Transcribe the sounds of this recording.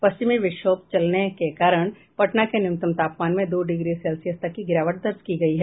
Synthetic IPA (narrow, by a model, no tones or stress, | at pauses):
pɐst͡ʃɪmiʋɪʃoːp̚t͡ʃɐlnekekaːɾəɽ̃ | pɐʈnakenɪmt̪əmt̪aːpmaːnmẽd̪oːɖɪɡɾisɛːlsijəst̪ɐkːiɡɪɾaːʋəʈ̚d̪ɐɾd͡ʒkiɡɐiɦɛː